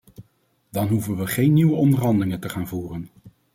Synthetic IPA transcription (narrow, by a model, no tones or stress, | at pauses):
d̥ɑnɦuvənʋəχejnːiʋəɔndərɦɑndəlɪŋəntəχaːnvuːrən